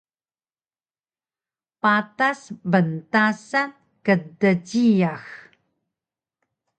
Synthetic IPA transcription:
patasbəntasan | kədəɟijax

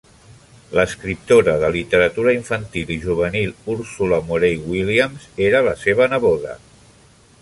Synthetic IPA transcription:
ləskɾip̚t̪oɾəðəlit̪əɾət̪uɾəiɱfənt̪iliʒuβ̞ənilˠuɾsuləmuɾejwiliəmzeɾələseβ̞ənəβoðə̰

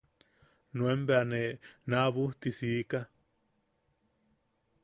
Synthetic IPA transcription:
nũembeanenaβuht̪isika

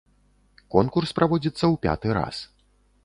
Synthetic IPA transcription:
kɔnkurspɾʔavɔd͡zʲit̪sːɐwpʲa̰t̪ɨɾa̰s

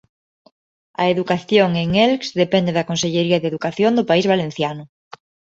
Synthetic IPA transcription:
ɐeðukaθjoŋeŋelksðepɛnd̪eðɐkonseʎeɾiɐðeðukaθjond̪ʊpaizβalen̟θjanʊ

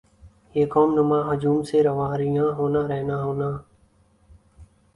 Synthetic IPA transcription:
jeːkoːmnʊmãːɦəd͡ʒuːmseːɾəʋaːɾɪjãːɦoːnãːɾəɦnaːɦoːnaː

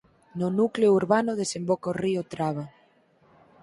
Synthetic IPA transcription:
nʊnukleʊuɾβanʊðesembokoriot̪ɾaβ̞a

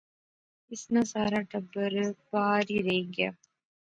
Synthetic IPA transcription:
ɪsnasaːɾaʈɐbːəɾbaːɾiɾɐiɡja̰ː

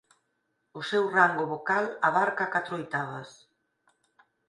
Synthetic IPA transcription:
ʊsewraŋɡʊβokalaβaɾkakat̪ɾoojt̪aβɐs

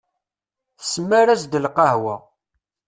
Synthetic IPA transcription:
θə̥səmːæɾæsd̪əlqɑhwa

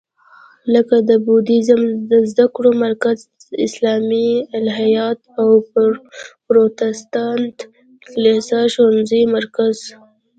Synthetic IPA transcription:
ləkad̪əbud̪izamd̪əzd̪akɽomaɾkaz | ɪslɑmialɦajɑt̪aw | pɾot̪ɪst̪ɑnt̪ | klesaʃwanzəjmaɾkaz̥

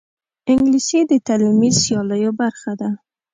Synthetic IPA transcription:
ɪŋɡliʃed̪ət̪alimisjɑləjobaɾxad̪a

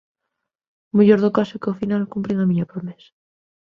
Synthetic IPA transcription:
muʎoɾðokasokeofinalkumpɾeŋamiɲopɾomes

